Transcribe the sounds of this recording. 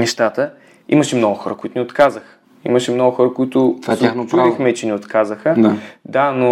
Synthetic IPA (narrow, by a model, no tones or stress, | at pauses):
nɛʃt̪at̪ə | ḭməʃɛmnɔɡʊxɔɾəkʊit̪ʊniot̪kazəxə̥ | ḭməʃɛmnɔɡʊxɔɾəkʊit̪ʊvazaxt͡ʃuaixmɛt͡ʃɛnɛot̪kazəxəad̪ano